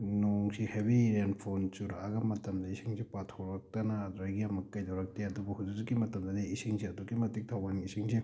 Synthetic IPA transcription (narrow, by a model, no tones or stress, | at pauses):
noŋsihebiɾenpʰont͡ʃuɾaɡɐmɐtɐmdɐisiŋsipatʰɔɾɐk̚tɐnɐdɾajɡijamɐkːɐjdɐwɾɐk̚teɐdubɐhuzizikːimɐtɐmdɐdiisiŋsiɐdukimɐtik̚tʰawanɡisiŋsi